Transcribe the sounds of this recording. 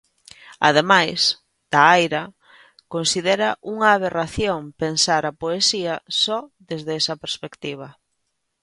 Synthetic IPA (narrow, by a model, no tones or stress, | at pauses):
a̰ð̞emajs | d̪̥aajɾɐ | konsiðeɾɐʔuŋaːβeraθjoŋpensaɾapoesiɐsɔðezðeesɐpeɾspekt̪iβ̞ɐ